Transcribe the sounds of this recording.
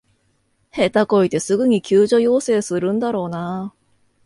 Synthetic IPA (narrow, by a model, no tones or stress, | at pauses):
he̞t̪ako̞it̪e̞sɨɡɯ̟ɲ̟ikʲɨːʑo̞jo̞ːse̞ːsɨɾɯ̟̃nd̪aɾo̞ːna